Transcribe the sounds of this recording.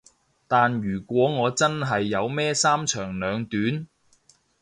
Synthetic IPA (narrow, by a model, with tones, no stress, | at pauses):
t̪aː˨njyː˨˩kʷɔː˨˥ŋɔː˨˧t͡sɐ˥nɦɐ˨jːɐ˨˧wmɛː˥saː˥mt͡ʃʰœː˨˩ŋlœː˨˧ŋt̪yː˨˥n